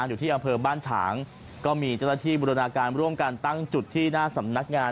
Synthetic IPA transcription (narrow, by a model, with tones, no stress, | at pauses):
njuː˨˩t̪ʰiː˥˩ʔa˧mpʰɤː˧baː˥˩nt͡ɕʰa̰ː˩˦ŋ | kɔː˥˩miː˧t͡ɕaː˥˩na˥˩t̪ʰiː˥˩buː˧ɾa˧naː˧kaː˧nɾu˥˩əmka˧nt̪a˥˩ŋt͡ɕu˨˩t̪ʰːiː˥˩naː˥˩sa˩˦mna˦˥k̚ŋaː˧